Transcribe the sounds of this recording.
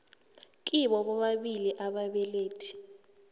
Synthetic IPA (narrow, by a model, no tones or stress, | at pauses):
k̬ʼiɓɔɓɔɓaɓiliʔaɓaɓɛleːtʰi̥